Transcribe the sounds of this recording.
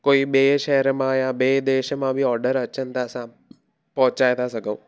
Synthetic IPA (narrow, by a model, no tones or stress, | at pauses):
koːibeːʃɛːɦəɾmãjabeːd̪eːʃmãbʱiɔːɾɖəɾɐt͡ʃʰənt̪asã | pɔ̃ɦt͡ʃaːet̪ʰasɐɡə